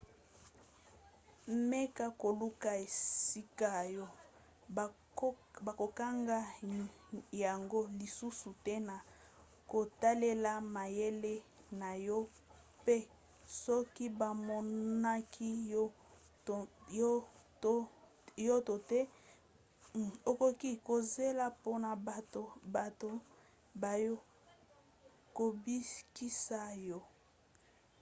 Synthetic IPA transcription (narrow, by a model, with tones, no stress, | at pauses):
me˦ka˦ko˨lu˦ka˨e˨si˦ka˦jɔ˦ | ba˨ko˨ka˦ŋɡa˦ | ja˨ŋɡo˦li˨su˦su˨tɛ˦na˨ | ko˨ta˦le˦la˨ma˨je˦le˦ | na˨jɔ˦ | pe˦ | sɔ˦ki˦ba˨mɔ˦na˦kʰi˦˨˦ | jɔ˦to˨tɛ˦ | o˨ko˦ki˦ko˨ze˦la˦po˦na˨to˨ba˨to˦ | ba˨jo˦ | ko˨bi˦ki˦sa˦jɔ˦